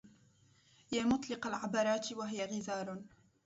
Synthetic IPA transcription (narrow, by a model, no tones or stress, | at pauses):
jaːmʊt̪ˤlɪqalʕabɑɾˤɑːt̪waɦɪjaɣɪzɑːɾˤ